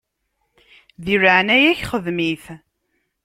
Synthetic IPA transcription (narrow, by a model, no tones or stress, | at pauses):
ðiɾəʕnæjæçχəðmiθ